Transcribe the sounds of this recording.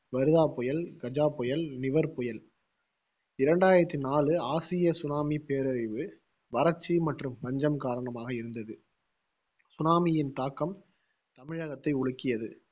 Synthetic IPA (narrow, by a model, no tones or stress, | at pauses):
ʋɐɾɯðaːpɔjɐlɡ̥ɐd͡ʒaːpɔjɐlnɪʋɐɾpɔjɐl | ɪɾɐɳɖaːjɪɾɐt̪ːinaːɭɯaːsɪjɐsʊnaːmipeːɾɐɾɪʋɯ | ʋɐɾɐt͡ʃːimɐʈrɯmʋɐɲd͡ʒɐmkaːɾɐɳɐmaːɣɐɪɾɯnd̪ɐðɯ | sʊnaːmɪjɪnt̪aːkːɐm | t̪ɐmɪɻɐɣɐt̪ːɐɪʊɻɯkːɪjɐðɯ